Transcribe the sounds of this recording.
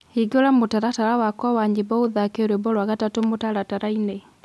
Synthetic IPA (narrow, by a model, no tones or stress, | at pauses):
hiɡɔɾamotaɾataɾawakwawaɲd͡ʒebɔoðakeɾwebɔɾwaɣatatomotaɾataɾaine